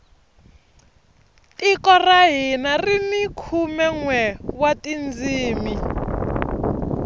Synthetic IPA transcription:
tikɔraɦinarinikʰumɛŋwɛwatind͡ziːmi

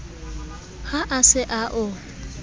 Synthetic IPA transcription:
haʔasɪʔaʔʊ

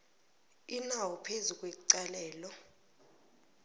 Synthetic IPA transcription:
inawɔpʰezuk̬ʼweǀalɛːlɔ

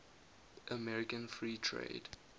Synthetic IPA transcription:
ʔəmɛɹɪkə̃nfɹiːtʰɹḛɪd

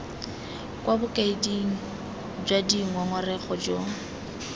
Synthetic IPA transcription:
kʼwabʊkʼaidiŋ̩ | d͡ʒwadiŋ̩waŋɔrɛχɔd͡ʒo

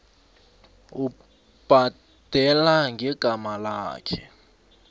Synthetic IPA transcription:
u | b̥ʱa | d̥ʱɛlaŋʱɛɡ̥ʱamalaːkʰɛ

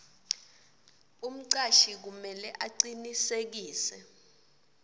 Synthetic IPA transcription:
um̩ǀaʃik̬umɛlɛʔaǀinisek̬iːsɛ

